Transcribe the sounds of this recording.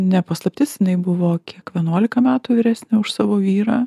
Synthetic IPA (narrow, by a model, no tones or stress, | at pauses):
nʲɛpɐslˠɐpʲt̪ʲɪsjɪnɐɪbʊʋoːkʲiɛkʋʲiɛnuɔlʲɪkɐmʲæːt̪uːʋʲɪɾʲæːsʲnʲɪʊʃsɑːʋoːʋʲiːɾɑː